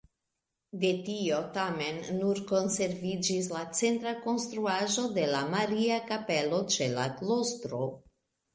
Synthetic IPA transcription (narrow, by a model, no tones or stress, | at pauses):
de̞tio̞tame̞nːuɾko̞nse̞ɾvid͡ʒis̬lat͡se̞ntɾako̞nst̪ɾuaʒo̞de̞lamaɾiakape̞lot͡ʃe̞la̰klostɾo̞